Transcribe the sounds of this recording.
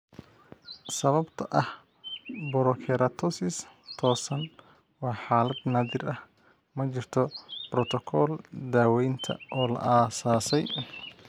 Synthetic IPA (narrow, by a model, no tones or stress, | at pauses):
sɐβɐbt̪ʰɐʔɐh | bɔɾɔkʰɛɾɐt̪ʰɔsɪst̪ʰɔːsɐn | wɑːħaːlɐd̪naːðɪrʔɐh | mɐt͡ʃɪrt̪ʰɔbrɔt̪ʰɔkʰɔːld̪aːwɛjnt̪ʰɐ̰ʔɔːlɐ̰ʔaːsaːsɛj